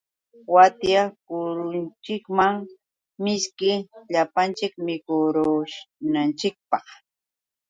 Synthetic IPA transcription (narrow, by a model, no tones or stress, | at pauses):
wat̪jakʊɾʊnt͡ʃɪkmaŋ | mɪskɪʎapant͡ʃɪkmɪkʊɾʊʃnant͡ʃɪk̚pɑχ